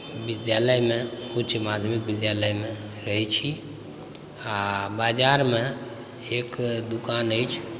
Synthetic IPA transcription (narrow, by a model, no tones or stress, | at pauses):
bid̪jaləjmẽut͡ʃʰmad̪ʱəmikbid̪jaləjmeɾəɦɛt͡ʃʰi | abad͡ʒaɾmẽ | ekd̪ukanəjt͡ʃʰ